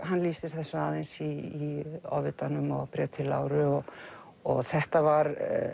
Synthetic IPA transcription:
ɦanːliːsɪɾ̥θɛsːʏaːðensiː | ɔvɪt̪anʏmɔɣpɾɛt̪ʰɪlːa̰ːwɾʏɔɣ | ɔɣθɛht̪avaɾ

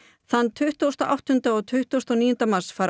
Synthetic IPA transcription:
θanːt̪ʰʏht̪owst̪aʔa̰wht̪ʏnt̪aɔɣt̪ʰʏht̪owst̪ɔwniːjʏnt̪amarsfaːɾ

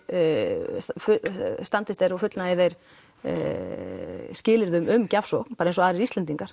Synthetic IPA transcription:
fʏst̪ant̪ɪst̪ejɾafʏt̪lnaɛðejɾ̥̰ | scɪːlɪɾðʏmʏmcafsɔknpaːɾaensɔaðɾɪɾist̪ɛnt̪iŋkaɾ̥

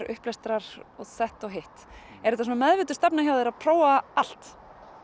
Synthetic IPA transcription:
ɾʏ̰hplɛst̪ɾaɾ̥ɔsɛht̪ɔɣɦeht̪ | ɛɾɛt̪asunamɛðvɪːt̪ʏ̥st̪ap̚najawðɪɾaðpʰɾoːwaal̥t̪

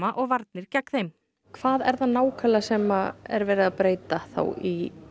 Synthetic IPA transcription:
aʔɔɣvaɾt̪nɪɾ̥cakːθejm | kʰv̥aːðɛɾðanaːwkʰalasɛːmaɛ̰ɾvɛːɾɪðapɾeːjt̪aθa̰wi

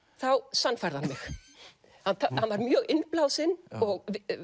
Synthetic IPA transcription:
θawsanfaɾðanmɪx | hanahanvaɾmjœːɣɪnplaːwsɪnɔɣ

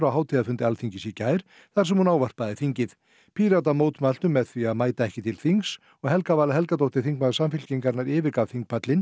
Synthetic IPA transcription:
ɾawɦaːwt̪ʰiðafʏnt̪ɪalθiɲcɪsicaːjɾ̥ | θaɾ̥sɛmhunaːwvar̥paðɪθiɲcɪð | pʰiːɾat̪amoːwt̪mal̥t̪ʏmːɛðθviaðmaːjt̪aɛhcɪt̪ʰɪlθiŋks | ɔɣhɛlkavaːlaɦɛlkat̪owht̪ɪ̥θiŋkmalsamfɪlciŋkaɾnaɾɪːvɪɾkavθiŋk̚pʰat̪lɪn

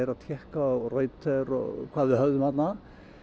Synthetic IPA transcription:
ɾat̪ʰjɛhkaɔrœjt̪ʰɛɾɔ̰kʰvaːðvɪhœvðʏmhat̪na

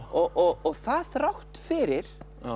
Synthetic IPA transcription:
ɔʔɔɣɔɣθaθrawht̪fɪɾɪɾ̥

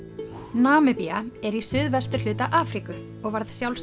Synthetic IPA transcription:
naːmʏpiaɛɾisʏðvɛst̪ʏɾ̥l̥ʏːt̪aʔaːfɾikʏ | ɔɣvaɾðsjawls

